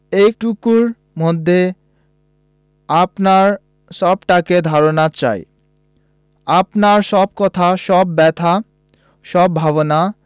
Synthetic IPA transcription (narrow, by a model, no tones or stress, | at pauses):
ejʈukuɾ | mod̪ʱːe | apnaɾ | ʃɔb̚ʈaked̪ʱaɾonat͡ɕa̰j | apnaɾʃɔb̚kɔt̪ʰaʃɔbːɛt̪ʰa | ʃɔbbʱaβona